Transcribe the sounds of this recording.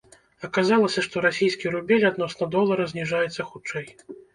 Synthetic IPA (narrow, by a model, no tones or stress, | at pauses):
ɐkazalˠɐsʲɐʂt̪ɔɾasʲijskʲiɾubʲɛlʲad̪nɔsnɐd̪ɔlˠːɐɾɐzʲnʲiʐajɛt̪sːɐxut͡ʂɛj